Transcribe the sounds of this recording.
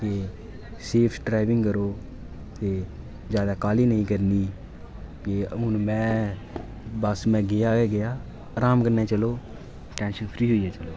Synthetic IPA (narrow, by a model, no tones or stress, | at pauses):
k̪eː | seːpʰɖɾaːɪʋɪ̃ŋɡkəɾoː | t̪eː | zjaːd̪aːkaːliːnəĩːkəɾniː | keʊnmɛ̃ː | bəsmɛ̃ːɡɪjaːɡɪjaː | aɾaːmkəɾneːt͡ʃəloː | ʈɛ̃ːnʃənpʰɾiːɦoːiɛːt͡ʃəloː